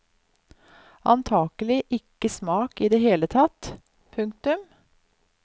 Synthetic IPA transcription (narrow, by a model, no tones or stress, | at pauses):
ɑ̰nt̪ʰɑːɡ̥əlɪʔɪkːəsmɑːkiːd̪eːheːlət̪ʰɑt̪ | pʰʉŋkt̪ʉm